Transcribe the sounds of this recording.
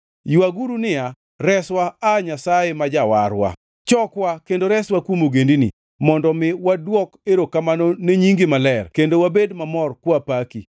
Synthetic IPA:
jwaɡuɾunɪa | ɾɛswaːɲasaemad͡ʒawaɾwa̰ | t͡ʃɔkwakendoɾɛswakwomoɡendinḭ | mɔndɔmɪwadwɔkeɾokamanoneɲiŋɡɪmalɛrkendowabedmamɔrkwɔapaki

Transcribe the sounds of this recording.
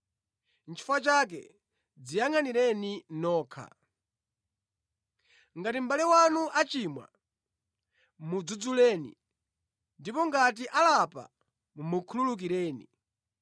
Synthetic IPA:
nt͡ʃʰi̥fat͡ʃak̬ɛ̰ | d͡zijaŋaniɾɛninɔːkʰa̰ | ŋɡatim̩balɛwanuʔat͡ʃimwa̰ | mud͡zud͡zulɛːnḭ | ndipɔŋɡatiʔalapa̰ | mukʰululuk̬iɾɛːnḭ

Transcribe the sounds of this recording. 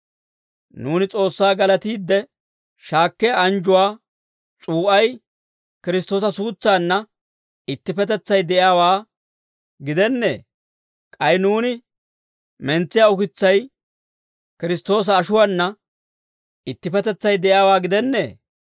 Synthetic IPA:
nuːnɪt͡sʼo̞ːsːaːɡɐlɐt̪iːd̪ːɛ | ʃaːkːɛjaɐnd͡ʒʊwaː | t͡ʃʼuːʔɐj | kɪɾɪs̬t̪ːo̞ːsɐsuːt͡sːaːnːɐ | ɪt̪ːɪpɛt̪ɛt͡sːɐjd̪ɛʔjaːwaː | ɡɪd̪ɛnːe̞̰ː | kʼɐjnuːnɪ | mɛnt͡sːɪjaːʊkɪt͡sːɐj | kɪɾɪst̪ːo̞ːs̬ɐːʃʊwaːnːɐ | ɪt̪ːɪpɛt̪ɛt͡sːɐjd̪ɛʔjaːwaːɡɪd̪ɛnːe̞ː

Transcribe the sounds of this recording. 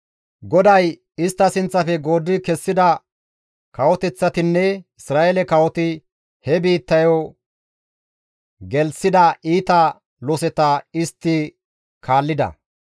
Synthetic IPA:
ɡɔd̪ɐj | ɪst̪ːɐsɪnt͡sːɐfɛɡo̞ːd̪ːɪkɛsːɪd̪ɐ | kɐwɔt̪ɛt͡sːɐt̪ɪnːɛɪsɾaːʔelɛkɐwɔt̪ɪ | hɛbiːt̪ːɐjɔ | ɡɛlsɪd̪ɐʔiːt̪ɐ | lɔsɛt̪ɐɪst̪ːɪ | kʰaːlːɪd̪ɐ̰

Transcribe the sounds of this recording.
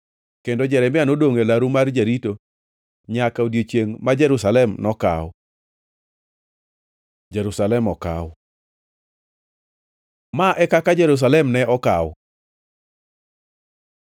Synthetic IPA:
kendod͡ʒɛɾɛmɪanodoŋelaɾumard͡ʒeɾito | ɲakaodjot͡ʃjeŋmad͡ʒɛɾusalɛmnɔka̰w | d͡ʒɛɾusalɛmɔka̰w | maʔɛkakad͡ʒɛɾus̬alɛmnɛʔɔkaw

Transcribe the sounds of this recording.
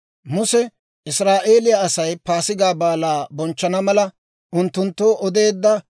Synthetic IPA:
mʊsɛ | ɪsɾaːʔe̞ːlɪjɐɐsɐjpaːsɪɡaːbaːlaːbɔnt͡ʃːɐnɐmɐlɐ | ʔʊnt̪ːʊnt̪ːoːʔɔd̪e̞ːd̪ːɐ

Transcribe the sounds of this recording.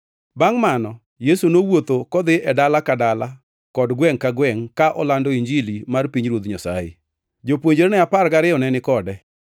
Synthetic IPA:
baŋmanɔ | jesunowot̪okɔd̪ɪɛdalakadala | kɔdɡwɛŋkaɡwɛŋkaʔɔ̰landɔiɲd͡ʒilimarpiɲɾwot̪ɲasa̰jɪ̰ | d͡ʒopwoɲd͡ʒeɾnɛaparɡaɾɪɔnɛnɪkɔdɛ

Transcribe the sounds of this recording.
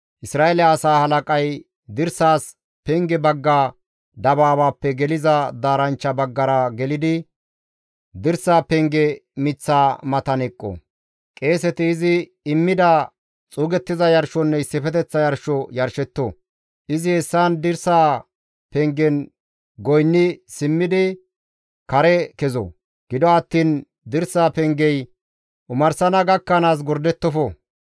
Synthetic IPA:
ʔɪsɾaːelaːsaːhɐlɐkʼɐj | d̪ɪɾsaːs | pɛŋɡɛbɐɡːaː | d̪ɐbaːbaːpːɛɡɛlɪzɐd̪aːɾɐnt͡ʃːɐbɐɡːɐɾɐɡɛlɪd̪ɪ | d̪ɪɾsaːpɛŋɡɛmɪt͡sːaːmɐt̪ɐnɛkʼːɔ̰ | kʼe̞ːsɛt̪ɪːzɪ | ɪmːɪd̪ɐ | t͡sʼuːɡɛt̪ːɪzɐjɐɾʃɔnːɛɪsːɪfɛt̪ɛt͡sːɐjɐɾʃɔjɐɾʃɛt̪ːɔ̰ | ʔɪzɪhɛsːaːnd̪ɪɾsaː | pɛŋɡɛn | ɡɔjnːɪsɪmːɪd̪ɪ | kɐɾɛkɛzɔ̰ | ɡ̥ɪd̪ɔɐt̪ːiːn | d̪ɪɾsaːpɛŋɡɛj | ʔʊmɐɾsɐnɐɡɐkːɐnaːs̬ɡɔɾd̪ɛt̪ːɔfɔ

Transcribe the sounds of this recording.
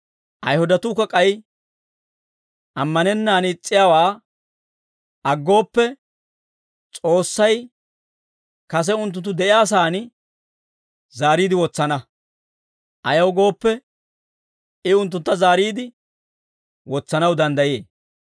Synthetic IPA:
ʔɐ̰jhʊd̪ɐt̪ʊːkːɐkʼɐj | ʔɐmːɐnɛnːaːnɪt͡sʼːɪjaːwaː | ʔɐɡːo̞ːpːɛ | t͡sʼo̞ːsːɐj | kɐs̬ɛʊnt̪̬ːʊnt̪ːʊd̪ɛʔɪjaːs̬aːn | zaːɾiːd̪ɪwɔt͡sːɐnɐ | ʔɐjɐwɡo̞ːpːɛ | ɪʊnt̪̬ːʊnt̪ːɐzaːɾiːd̪ɪ | wɔt͡sːɐnɐwd̪ɐnd̪ɐjjeː

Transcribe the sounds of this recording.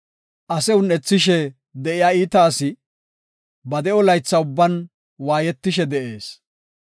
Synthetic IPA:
ʔɐsɛʊnɛt͡sːɪʃɛ | d̪ɛʔɪjaːiːt̪aːsɪ | bɐd̪ɛɔlɐjt͡sːɐʊbːɐn | waːjɛt̪ːɪʃ̬ɛd̪ɛʔeːs

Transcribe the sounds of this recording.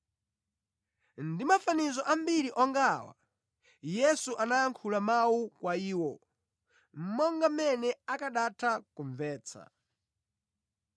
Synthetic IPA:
ndimafanizɔʔam̩biɾiʔɔŋɡaːwa̰ | jɛsuʔanaaŋkʰulamawukwaiːwɔ | m̩mɔŋɡamɛnɛakaɗatʰakuɱvɛːt͡sʰa̰

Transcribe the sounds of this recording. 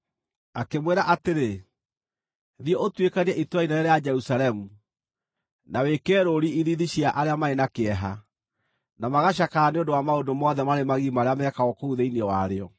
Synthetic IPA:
akemweɾaʔateɾe | ðiɔʔotwekaniɛʔitwainaɛɾead͡ʒɛɾusaɾɛmu | nawekɛːɾoɾiiðiðiɕjaʔaɾeamaenakeɛɦa | namaɣaɕ̬akaːneondowamaondomɔðɛmaɾemaɣimaɾeamɛkaɣɔkouðeiniɔwaɾeɔ

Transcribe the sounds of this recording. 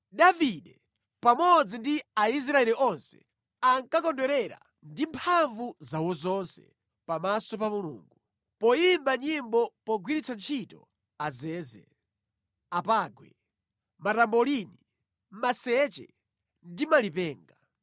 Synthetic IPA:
ɗaviɗɛ | pamɔd͡zindiais̬ɾaɛɾiʔɔnsɛ̥̰ | aŋkakɔndɔɾɛɾa̰ | ndimpʰaɱvuzawɔzɔnsɛ̰ | pamasɔp̬amulṵːŋɡu | pɔimbaɲimbɔpɔɡwiɾit͡sant͡ʃʰitɔ̰ | azɛːzɛ̰ | apaːɡwɛ̰ | matambɔlini | masɛt͡ʃɛ̰ | ndimalipɛːŋɡa

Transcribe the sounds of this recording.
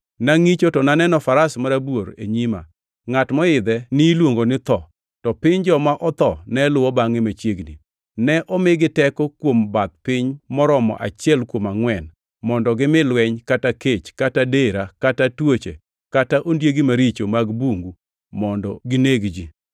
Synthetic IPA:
naŋit͡ʃotɔnanɛnɔfaɾasmaɾabwoɾḛɲima̰ | ŋatmɔɪd̪ɛnɪlwoŋɡonɪt̪ɔ | tɔpɪɲd͡ʒɔmaʔɔt̪ɔnɛlʊwɔbaŋɪmat͡ʃjeɡnḭ | nɛʔɔmɪɡɪtɛkɔkwombat̪̚pɪɲmɔɾɔmɔ̰ʔa̰t͡ʃjɛlkwomaŋwɛn | mɔndɔɡɪmɪlwɛɲkataket͡ʃkatadeɾakatatwot͡ʃḛ | kataʔondjeɡimaɾit͡ʃomaɡbuŋɡu | mɔndɔɡɪneɡd͡ʒi

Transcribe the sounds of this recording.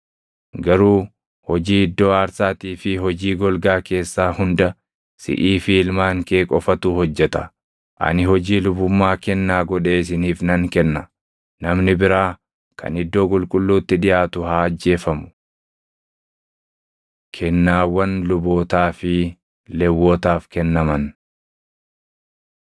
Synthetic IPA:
ɡɐɾuː | hɔd͡ʒiːɪd̪ːo̞ːaːɾsaːt̪iːfɪɦɔd͡ʒiːɡɔlɡaːke̞ːsːaːhʊnd̪ɐ | sɪ̰ʔiːfɪɪlmaːŋkeːkʼɔfɐt̪uːhɔd͡ʒːɛt̪ɐ | ʔɐ̰nɪhɔd͡ʒiːlʊbʊmːaːkɛnːaːɡɔᶑe̞ːɪs̬ɪniːfnɐŋkɛnːɐ | nɐmnɪbɪɾaː | kʰɐ̰nɪd̪ːo̞ːkʼʊlkʼʊlːuːt̪ːɪᶑɪjaːt̪ʊhaːɐd͡ʒːe̞ːfɐmʊ̥ | kʰɛnːaːwɐnlʊbo̞ːt̪aːfɪ | lɛwːoːt̪aːfkɛnːɐmɐn

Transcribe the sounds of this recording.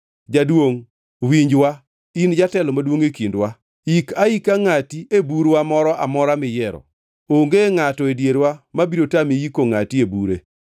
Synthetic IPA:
d͡ʒadwoŋ | wiɲd͡ʒwa | ind͡ʒatɛlɔmadwoŋekindwa | ikaikaŋatiebuɾwamɔɾɔʔamɔɾamɪjɛɾɔ̰ | oŋɡeŋatɔedjeɾwamabiɾotamejikoŋatiebuɾḛ

